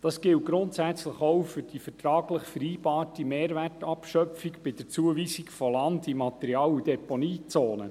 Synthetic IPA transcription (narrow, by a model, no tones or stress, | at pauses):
d̥ɑsɡ̥ɪlt̚ɡ̥ɾʊntsæt͡sləχowfʏɾd̥ifətɾɑːɡləχfɛɾiːb̥ɑːtimeːɾværtɑpʃœpfikb̥ɪd̥əɾt͡suəviːsikfɔlɑndimɑt̪ɛɾiɑːludɛponiːt͡soːnə̰